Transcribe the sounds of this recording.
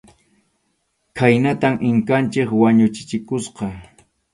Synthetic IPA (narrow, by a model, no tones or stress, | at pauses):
kʰajnat̪amʔɪŋkant͡ʃɪkwaɲʊt͡ʃɪ̥t͡ʃɪkʊsqɑ